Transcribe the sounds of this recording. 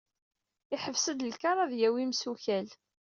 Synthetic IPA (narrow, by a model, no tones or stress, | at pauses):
ɪħəvsəd̪əlkɑɾˤɑðjæwimsuçæl